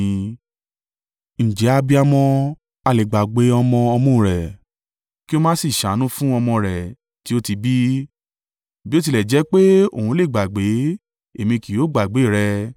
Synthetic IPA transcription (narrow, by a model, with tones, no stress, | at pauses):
n̩˨d͡ʒɛ˨˦a˧bi˦a˧mɔ̃˧ | a˧˨le˨ɡ͡ba˨ɡ͡be˨˦ɔ˧mɔ̃˧ɔ˧mɔ̃˦˨ɾɛ˨ | ki˦o˦mã˦si˦˨ʃa˨˦nũ˦fũ˦ɔ˧mɔ̃˧ɾɛ˨ | ti˨˦o˦ti˧bi˦ | bi˦o˦t̬i˧lɛ˨d͡ʒɛ˨˦k͡pe˦o̰˦˨ũ˧˦le˦˨ɡ͡ba˨ɡ͡be˨˦ | e˨mĩ˧ki˨jo˨˦ɡ͡ba˨ɡ͡be˨˦˨ɾɛ˧